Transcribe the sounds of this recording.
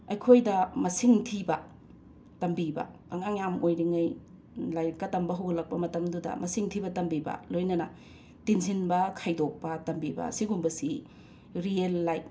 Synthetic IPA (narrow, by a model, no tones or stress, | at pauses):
ɐjkʰojdɐmɐsiŋtʰibɐ | tɐmbibɐ̰ | ɐŋaŋjamojɾiŋɐj | lajkɐtɐmbɐɦɐwɡɐlɐk̚pɐmɐtɐmdudɐ̰mɐsiŋtʰibɐtɐmbibɐ̰lojnɐnɐ | tinsʰinbɐkʰajdok̚pɐtɐmbibɐ̰siɡumbɐsi | ɾielːajp̚